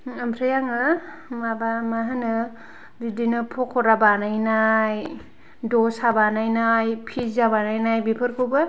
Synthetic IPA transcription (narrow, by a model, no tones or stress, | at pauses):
ampʰɾajaŋɯ | mabamaɦanɯ | didinɯpʰɔkʰɔɾabanajnaj | dɔsabanajnajpʰizabanajnajbipʰɯɾkʰubɯ